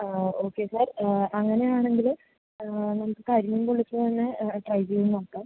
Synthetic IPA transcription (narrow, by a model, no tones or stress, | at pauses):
o̞ːkːe̞ːsarɐŋːɐne̞jaːɳe̞ŋɡil | nɐmukːɨkːɨɐɾumumpoɭit͡ɕːut̪ɐnːeʈrɐjd͡ʑijunnoːkːɨm